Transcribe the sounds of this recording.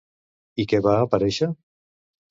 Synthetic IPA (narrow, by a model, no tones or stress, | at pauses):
ikɛβaːpaɾɛʃə